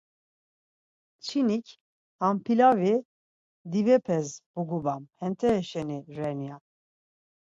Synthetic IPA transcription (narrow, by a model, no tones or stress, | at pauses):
t͡ʃʰinikʰ | ampʰilavi | d̪ivɛpʰɛsb̥uɡubamhɛnt̪ʰɛːʃɛniɾɛnja